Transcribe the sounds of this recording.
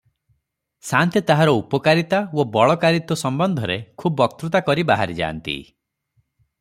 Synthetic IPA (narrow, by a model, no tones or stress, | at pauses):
sant̪et̪aɦaɾɔupɔkaɾit̪awobɔɭɔkaɾit̪wɔsɔmbɔnd̪ʱɔɾekʰubɔk̚t̪ɾut̪akɔɾibaɦaɾid͡ʒa̰ːnt̪ḭ